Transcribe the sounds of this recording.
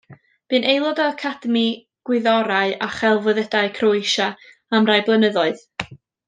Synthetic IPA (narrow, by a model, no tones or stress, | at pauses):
b̥ɨnʔejlˠɔdaakʰad̥əmi | ɡ̥wɪðɔɾaɨaχɛlˠvɨðədaɨkʰrojʃa | amrajblˠənəðɔɨð